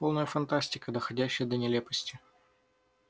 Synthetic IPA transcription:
po̞lˠnəjəfɐnt̪asʲtʲɪkəd̪əxɐdʲæɕːɪjəd̪ənʲɪlʲepəsʲtʲɪ

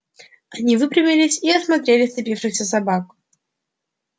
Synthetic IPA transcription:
ɐnʲivɨpɾʲɪmʲɪlʲɪsʲiɐsmɐt̪ɾʲelʲɪsʲt̪ɨpʲifʂɨxsʲəsɐbak

